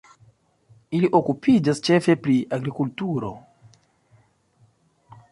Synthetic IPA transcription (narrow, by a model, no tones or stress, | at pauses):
iliʔo̞kupʰid͡ʒast͡ʃe̞fe̞pɾiaɡɾikultuɾo̞̰